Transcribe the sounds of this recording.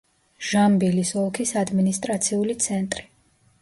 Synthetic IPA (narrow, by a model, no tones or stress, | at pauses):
ʒ̥ambilisɔlˠkʰisad̪minist̪ʼɾat̪sʰiulit̪sʰɛnt̪ʼɾi